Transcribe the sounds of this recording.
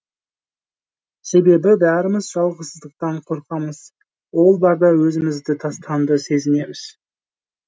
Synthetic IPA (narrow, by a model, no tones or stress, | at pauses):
se̞be̞bɪbæɾɪməzʒɑlˠʁəsəzd̪əq̚t̪ɑɴqʰo̞ɾqɑməz̥ | wo̞lˠbɑɾd̪ɑwɵzɪmɪzd̪ɪt̪ʰɑst̪ɑnd̪əse̞zɪme̞mɪz̥